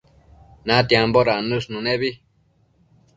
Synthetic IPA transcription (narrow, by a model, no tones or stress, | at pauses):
nãt̪jamboɾanũʂnũnẽβi